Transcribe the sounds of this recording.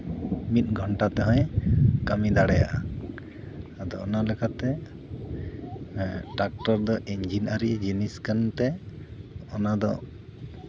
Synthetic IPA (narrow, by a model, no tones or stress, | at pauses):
mit̪̚ɡʱɔɳʈat̪ɛɦɔ̃jkamid̪aɽɛja̰ʔa | d̪ɔːnalɛkʰat̪ɛ | ʈak̚ʈɔɾd̪ɔʔiɲd͡ʒinaɾid͡ʒiniskənt̪ɛ | ɔnad̪ɔ̰